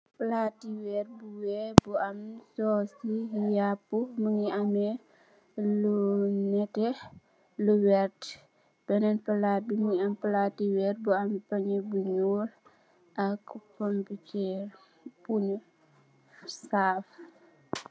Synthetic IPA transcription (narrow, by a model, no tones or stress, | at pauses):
platiwɛrbuwɛbuamsɔsijapːuməŋiamɛ | lunɛtɛ | luwɛɾt | b̥ɛnɛnpəlat̚biməŋiampəlatiwɛɾbuampaɲebuɲuːl | ʔakkomputɛɾ | puɲə | saf